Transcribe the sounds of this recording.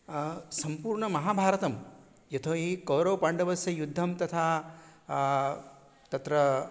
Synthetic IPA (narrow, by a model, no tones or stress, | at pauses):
sɐmpuːɾɳɐmɐɦaːbʱaːɾɐt̪ɐm | jɐt̪ʰɐʋɐikɐwɾɐʋpaɳɖɐʋɐsjɐjud̪ʱːɐmt̪ɐt̪ʰaː | t̪ɐt̪ɾɐ